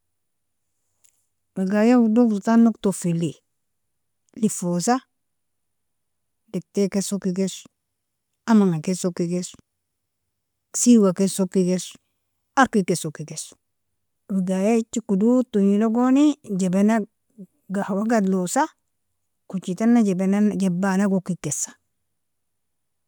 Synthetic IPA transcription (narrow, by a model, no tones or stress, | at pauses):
weɡajawudoutanoktofili | lifosa | dek̚tekesokːiɡes | amaŋakesokiɡes | siwakesokːiɡes | aɾkikesokiɡes | wuɡajet͡ʃːikudutuɲiloɡonid͡ʒebena | ɡahwaɡadlosa | kut͡ʃitanːad͡ʒebenad͡ʒebanaɡokikesḁ